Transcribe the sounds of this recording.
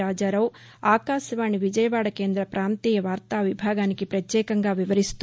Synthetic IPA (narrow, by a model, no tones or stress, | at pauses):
aːd͡ʒaːɾɐw | aːkaːʃɐʋaːɳiʋid͡ʒɐjɐʋaːɽɐke̞ːnd̪ɾɐpɾʔaːnt̪iːjɐʋaːɾt̪aːʋibʱaːɡaːnikipɾɐt̪jɛːkɐŋɡaːʋiʋɐɾist̪